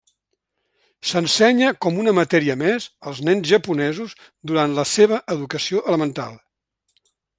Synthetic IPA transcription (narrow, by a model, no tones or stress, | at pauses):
sənsɛɲəkɔmunəmət̪ɛɾiəmezəlˠznɛnzʒəpunɛzuz | d̪uɾant̪ləseβ̞əʔəðukəsioʔələmənt̪a̰lˠ